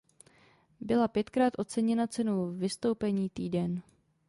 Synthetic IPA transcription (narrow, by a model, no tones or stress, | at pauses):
bɪlapjɛt̪kɾaːt̪ʔo̞t͡sɛɲɛnat͡sɛnowvɪst̪o̞wpɛɲiːt̪iːdɛn